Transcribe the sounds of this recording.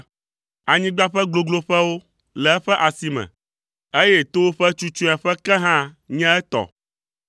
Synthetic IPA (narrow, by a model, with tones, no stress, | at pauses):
a˨ɲĩ˦ɡ͡ba˦ɸɛ˦ɡlo˨ɡlo˨ɸɛ˦wo˦ | lɛ˨ɛ˦ɸɛ˦ʔa˨si˨mɛ̰̃˨ | e˦jɛ˦t̪o˦wo˦ɸɛ˦t͡ʃu˦t͡ʃũ˦a˨ɸɛ˦kɛ˦ɦã˦ | ɲɛ̃˦ɛ˦t̪ɔ̰˨